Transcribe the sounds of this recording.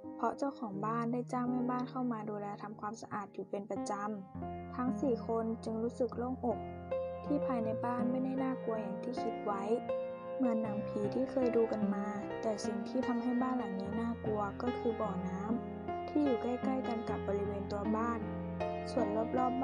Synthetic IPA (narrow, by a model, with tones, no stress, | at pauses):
pʰɔ˧˥t͡ɕa˥˩wkʰɔː˩˦ŋbaː˥˩˨nda˧˥˩jt͡ɕa˧˥˩mha˧˥˩jbaː˥˩˨nkʰa˥˩wmaː˧duː˧lɛː˧t̪ʰa˧mkʰwaː˧msa˧ʔaː˨˩t̪̚ʰːiː˨˩pe˧npa˧t͡ɕa˧mt̪ʰa˦˥ŋsiː˨˩kʰo˧nt͡ɕɯ˧ŋluː˦˥sɯ˨˩k̚loː˧˥˩ŋʔo˨˩k̚t̪ʰiː˧˥˩pʰaː˧jna˧˥jbaː˥˩˨nmaː˧˥˩na˥˩jnaː˥˨ku˧ɐja˨˩ŋt̪ʰiː˥˩kʰi˦˥t̪̚wa˦˥˨j | mɯ˧˥ənːa˨˦mpʰiː˨˦t̪ʰiː˥˩kʰɤː˧˨jduː˧ka˨nmaː˧ | t̪ɛː˨˩si˨˩ŋt̪ʰiː˥˩t̪ʰa˧mɦa˥˩jbaː˥˨nla˨˩˦ŋna˧˩jnaː˥˩˨ku˧ɐkɔː˧˥˩kʰɯː˧bɔː˨˩naː˦˥˨m | t̪ʰiː˥˩˨juː˨˩ka˥˩jka˥˩jka˨˧nka˨˩p̚bɔː˧li˦˥weː˧nt̪u˧ɐbaː˥˩˨n | su˨˩ənlu˧˥˩p̚lɔː˥˩p̚